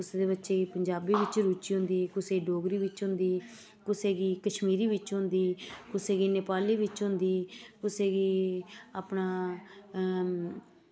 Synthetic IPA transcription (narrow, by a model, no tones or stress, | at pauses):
kʊseːd̪eːbətːʃeːɡiːpəɲd͡ʒaːbiːʋɪt͡ʃɾuːt͡ʃiːɦʊ̃nd̪iːkʊseːɖoːɡɾiːʋɪt͡ʃɦʊ̃nd̪iː | kʊseːɡiːkəʃmiːɾiːʋɪt͡ʃɦʊ̃nd̪iːkʊseːɡiːnepaːliːʋɪt͡ʃɦʊ̃nd̪iːkʊseːɡiːaːpnaː